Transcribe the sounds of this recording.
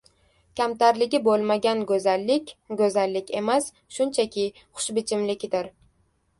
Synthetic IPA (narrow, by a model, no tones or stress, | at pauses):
kʲʰamt̪aɾlɪɡʲɪbolˠmaɡʲanɡʲɵzalːɪkʲɡɵzalːɪkʲʰe̞mas | ʃʊnt͡ʃʰakʲɪ | χʊ̥ʃbɪt͡ʃʰɪmlɪkʲd̪ɪɾ